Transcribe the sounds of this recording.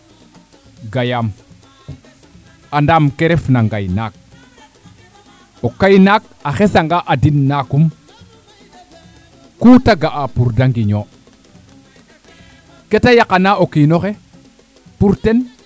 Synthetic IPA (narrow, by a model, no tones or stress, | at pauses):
ɡajam | andamkeɾefnaŋɡa̰jnaːk̚ | okajnak̚ | axesaŋɡaʔadinːakum | kutaɡaʔapuɾdaŋɡiɲo | ketajakanaokinoxe | puɾten